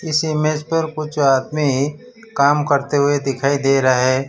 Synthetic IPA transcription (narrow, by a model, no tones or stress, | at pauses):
ɪsɪmed͡ʒpɐɾkʊt͡ʃʰaːd̪mi | kaːmkɐɾt̪eɦʊed̪ɪkʰaːid̪eːɾɐaɦɛː